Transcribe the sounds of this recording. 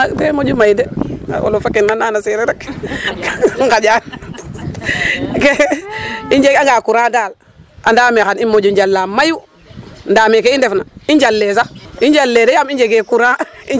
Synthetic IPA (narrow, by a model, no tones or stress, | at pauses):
temod͡ʒumajdḛwo̰lofakinːananaseɾeɾak | ŋkad͡ʒan | ke | iɲd͡ʒeɡaŋɡakuɾadaːl | andaːmexanimod͡ʒuɲd͡ʒalːamaju | ndaːmekeindefnaind͡ʒalːes̬aiɲd͡ʒalːedejamiɲd͡ʒeɡekuɾãi